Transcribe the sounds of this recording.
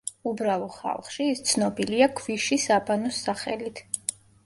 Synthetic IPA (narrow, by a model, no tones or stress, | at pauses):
ubɾavɔχa̰lˠχʃiːst̪sʰnɔbiliakʰviʃisabanɔsaχɛ̰lit̪ʰ